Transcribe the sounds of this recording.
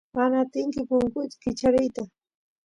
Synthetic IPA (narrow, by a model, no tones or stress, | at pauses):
manaːt̪ɪŋkɪpʊŋkʊjt̪ḁkɪt͡ʃaɾɪjt̪a